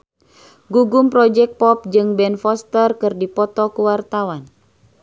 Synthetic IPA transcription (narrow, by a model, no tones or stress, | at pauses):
ɡuɡumpɾɔd͡ʒɛk̚pɔp̚d͡ʒɨŋbɛnfɔst̪ərkɨrdipɔt̪ɔkuwart̪awan